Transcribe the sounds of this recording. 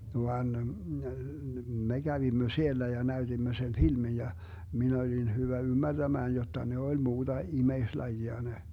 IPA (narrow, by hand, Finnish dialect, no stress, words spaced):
ʋɑn me ɡ̊æʋimːø sielːæ jɑ næyd̥imːø sen filmin̞ jɑ min olin hyʋæ ymːærd̥æmæːn jotːɑ ne olʲ muːd̥ɑ imeislɑjiɑ ne